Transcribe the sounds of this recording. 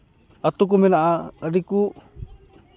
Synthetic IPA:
at̪uk̬umenaʔaadiku

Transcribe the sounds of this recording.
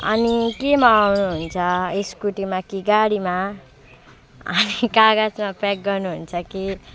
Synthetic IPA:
ʌ̰nikemaːwnuɦunt͡sʰʌeskuʈimakiɡaɽima | ʌnikaɡad͡zmapak̚ɡʌrnuɦunt͡sʰʌki

